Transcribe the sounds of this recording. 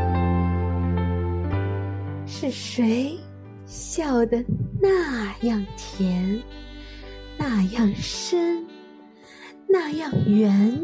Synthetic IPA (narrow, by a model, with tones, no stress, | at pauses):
ʂɻ̩˥˩ʂe˧˥ɪ | ɕjɑ˥˩ʊd̪ə˩na˥˧jɑ˥˩ŋt̪ʰjɛ˧˥n | na˥˧jɑ˥˩ŋʂə˥n | na˥˧jɑ˥˩ŋɥɛ˧˥n